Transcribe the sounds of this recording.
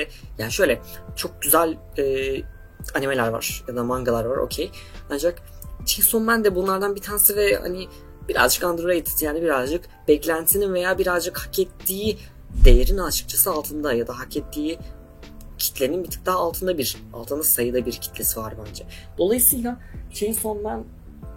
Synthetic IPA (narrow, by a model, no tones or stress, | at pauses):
ɛjaːniʃø̞jlʲɛt͡ʃʰo̞k̚ɟyzælʲɛː | anime̞lʲæɾva̰ɾ̥jad̪amaŋɡalˠaɾvaɾʔo̞̰cʰejand͡ʒak | it͡ʃʰiɲcʲiso̞nbænd̪ɛbunlˠaɾd̪anbit̪ʰanesivɛha̰ni | biɾa̰zd͡ʒɯkand̪ɾoɾajit̪ʰi̥sijaːnibiɾazd͡ʒɯk | b̥ɛclʲænt̪ʰsininve̞jaːbiɾazd͡ʒɯkhacɛt̪ʰːiː | d̪ejeɾinat͡ʃʰɯ̥k̚t͡ʃʰasɯalˠt̪ʰɯnd̪ajad̪aɦacɛt̪ʰːiː | cʰi̥t̪lʲeninbit̪ʰɯ̥k̚t̪aːlˠt̪ʰɯnd̪abiɾ̥ | a̰lˠt̪ʰɯnd̪asajɯd̪abiɾcʰi̥t̪lʲe̞sivaɾbænd͡ʒɛd̪̥o̞lˠajɯsɯːjlˠat͡ʃʰinsonmæn